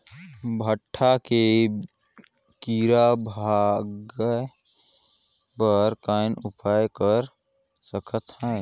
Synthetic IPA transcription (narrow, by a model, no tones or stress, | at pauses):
bʱəʈʰːake | kiɾabʱaɡəj | bəɾkaːnʊpʰaːjkəɾ | səkʰət̪hɛ̃ː